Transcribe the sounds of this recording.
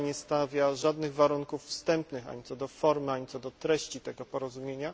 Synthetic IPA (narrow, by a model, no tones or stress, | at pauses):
ɲɛst̪avʲjaʐad̪nɘɣvaɾuŋkufːst̪ɛmpnɘxa̰ɲit̪sɔd̪ɔfɔɾmɘaɲit̪sɔd̪ɔt̪ɾɛɕt͡ɕit̪ɛɡɔpɔɾɔzumʲjeɲa